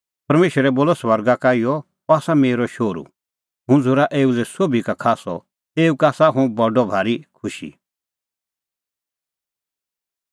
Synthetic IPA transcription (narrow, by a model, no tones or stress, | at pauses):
pɐɾmeːʃəɾɛboːlɔsʋɐɾɡakaːijɔ | aːsameːɾɔʃoːɾṵ | ɦʊ̃d͡zʊɾaʔeːulɛsoːbʱikakʰaːsɔ̰ | eːukaːsaɦũbɐɖɔbʱaːɾikʰʊʃḭ